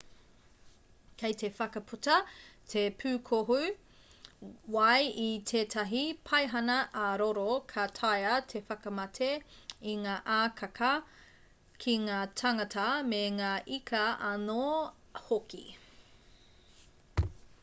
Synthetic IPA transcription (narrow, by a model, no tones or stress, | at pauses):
kʰejtʰe̞fɐkɐpʰutɐtʰepʰʉːkʰoɦu | wɐjitʰeːtʰɐɦipʰɐjɦɐnɐʔɐɾoɾokʰɐtʰɐjɐtʰefɐkɐmɐtʰeiŋaːʔaːkʰɐkʰɐ | kʰiŋaːtʰɐŋɐtʰɐmeŋaːʔikʰɐɐno | hokḭ